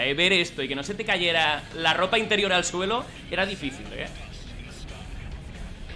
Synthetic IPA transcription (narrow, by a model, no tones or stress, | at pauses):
eβeɾest̪oike̞nose̞t̪ekaʝeɾalaro̞paint̪eɾjo̞ɾalswe̞lo | e̞ɾaðifiθḭlḛ